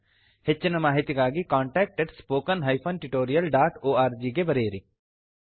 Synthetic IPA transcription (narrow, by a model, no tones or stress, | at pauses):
het͡ʃːɪnɐmaːɦit̪jikaːɡikãːɳʈɛːk̚ʈeɖspoːkənɦɐjpʰɐnʈuʈoːɾijɐlɖaːʈoːaːɾd͡ʒiːɡebɐɾeːɾḭ